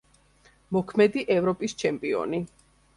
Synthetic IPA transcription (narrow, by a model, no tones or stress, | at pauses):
mɔkʰmɛd̪iʔɛvɾɔpʼist͡ʃʰɛmpʼiɔ̰ni